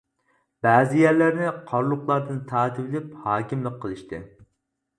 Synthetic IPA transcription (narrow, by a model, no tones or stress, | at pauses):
b̥æːzɪjæɾlæɾnɪqʰɑɾlˠʊχlˠɑɾd̪ɨnt̪ʰɑːt̪ʰɪvɪlɪphɑːkʲimlˠɨqqʰːəlˠɨʃt̪ɨ̰